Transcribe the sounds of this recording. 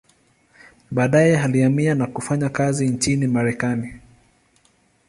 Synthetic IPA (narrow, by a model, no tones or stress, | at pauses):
ɓaːɗajɛɦaliamianakufaɲakazint͡ʃinimaɾɛkani